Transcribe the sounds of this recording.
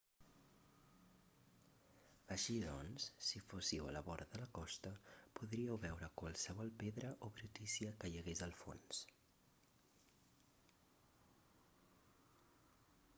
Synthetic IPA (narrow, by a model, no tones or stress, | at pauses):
əʃiðɔnsːifosiwə̰ləβɔɾðələkɔst̪əpuðɾiəwβɛwɾəkwəlˠsəβɔlˠpeðɾəʔoβɾut̪isiəkəjəɣezəlˠfo̰ns